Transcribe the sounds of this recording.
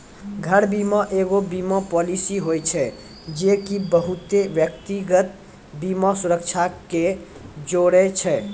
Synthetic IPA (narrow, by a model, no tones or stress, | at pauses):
ɡʱəɾbiməʔeɡobimɔpɔlisiɦojt͡ʃʰɛ | d͡ʒekibəɦut̪eʋjək̚t̪iɡət̪ | bimɔsuɾək̚t͡ʃʰake | d͡ʒoɽɛt͡ʃʰɛ